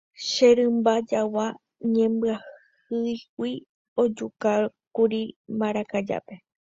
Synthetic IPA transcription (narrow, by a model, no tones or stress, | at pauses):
ʃeɾɨ̃mbad͡ʒawa | ɲẽmbɨah | ɨjwwʷi | o̞d͡ʒuka | kuɾimbaɾakad͡ʒa̰pe̞